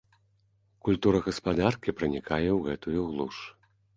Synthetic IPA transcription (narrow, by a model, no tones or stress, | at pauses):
kulʲt̪uɾɐɣɐspad̪arkʲipɾɨnʲikʰajɛwɣɛt̪ujuɣlˠuʂ